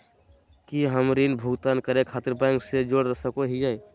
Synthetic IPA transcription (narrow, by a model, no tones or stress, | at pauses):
kiɦəmɾilbʱuɡt̪ankəɾekʰaːt̪ɪɾpãŋksed͡ʒoɽɾəsəkoɦid͡ʒaːe